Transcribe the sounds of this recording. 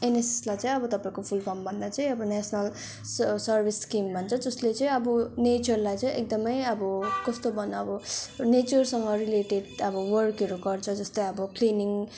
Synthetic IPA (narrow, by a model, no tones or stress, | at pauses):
eneseslajt͡saĩʌbʌt̪ʌpaĩkopʰulpʰʌmbʱʌnd̪at͡saĩʌbʌnasʰʌnʌl | sʌrbʱiskimbʱʌnt͡sʰʌd͡zʌslet͡sʌ̃ĩʌbʌnet͡sʌrlajt͡sʌĩʔek̚d̪ʌmʌjʌbʌkʌst̪obʱʌnʌʌbʌnet͡sʌrsʌŋɡʌɾileʈeɖʌbʌwʌrkʌɾuɡʌrt͡sʰʌd͡zʌst̪ʌj̃ʌbʌkliniŋ